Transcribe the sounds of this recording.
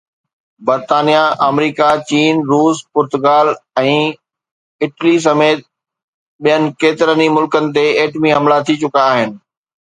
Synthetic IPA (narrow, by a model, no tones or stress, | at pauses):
bɐɾt̪aːnijaʔəmɾiːkat͡ɕiːnɾuːspʊɾt̪ʊɡaːlɛ̃ː | ɪʈlis̬ɐmeːt̪̚ | ɓijənɪ̆keːt̪ɪɾənimʊlkənɪ̆t̪̬eeːʈmiɦɐ̃mlat̪ʰit͡ɕʊkaːɦɪnɪ̆